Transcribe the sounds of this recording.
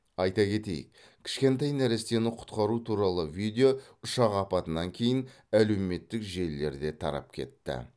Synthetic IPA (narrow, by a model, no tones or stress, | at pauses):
ɑjt̪ɑkʲe̞t̪e̞̰j̰k | kʲʰɪ̥ʃkʲe̞nt̪ɑjnæɾest̪e̞nɪqʰʊ̥t̪qɑɾut̪ʰuɾɑlˠəvijd̪ʲeoʊʃɑqɑpɑt̪ənɑŋkʲʰe̞jɪn | æle̞wme̞t̪ːɪkʒe̞lːe̞̰ɾd̪e̞t̪ʰɑ̰ɾɑ̰p̚kʲʰe̞̰t̪ːɪ̰